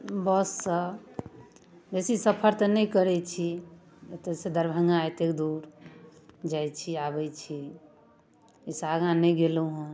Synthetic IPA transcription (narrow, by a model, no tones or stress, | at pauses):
bəsːə | besisəpʰəɾt̪ənɛjkəɾɛt͡ʃʰi | t̪əsed̪əɾbʱə̃ŋɡãet̪ekd̪uɾ | d͡ʒajt͡ʃʰiabɛt͡ʃʰi | isaɡãnɛjɡeluɦũ